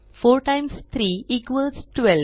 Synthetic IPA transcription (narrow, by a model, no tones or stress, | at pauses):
foːɾʈãɪ̃mst̪ʰɾiːikʋəsʈʋɛl